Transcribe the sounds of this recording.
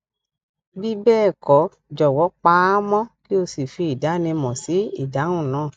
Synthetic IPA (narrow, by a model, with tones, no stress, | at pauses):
bi˦bɛː˦˨kɔ˨˦ | d͡ʒɔ˨wɔ˨˦k͡pa˧˦mɔ̃˦ki˦o˧si˨fi˧i˨da˨˦nĩ˧mɔ̃˨si˨˦i˦˨dã˨˦ũ˦˨nãː˨˦˨